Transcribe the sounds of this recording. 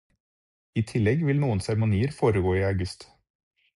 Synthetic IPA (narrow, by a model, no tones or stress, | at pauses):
iːt̪ʰɪlɛɡʋɪlnuːənsæɾmʊniːəɾfoːɾəɡoːiːɑʉɡʉst̪